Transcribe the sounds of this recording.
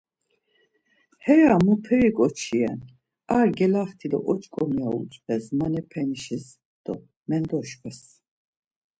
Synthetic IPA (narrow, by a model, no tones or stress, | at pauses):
hɛɾamupʰɛɾikʼɔt͡ʃʰiɛn | aɾɡɛlaχt̪ʰid̪ɔ̰ʔɔt͡ʃʼkʼɔmiaṵt͡ʃʼpʰɛsmanɛpʰɛniʃɛs | d̪̥ɔ | mɛnd̪ɔʃkʰɛs